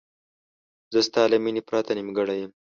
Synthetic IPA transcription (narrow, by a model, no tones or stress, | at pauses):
zəst̪ɑːlaminipɾat̪animɡaɽajəm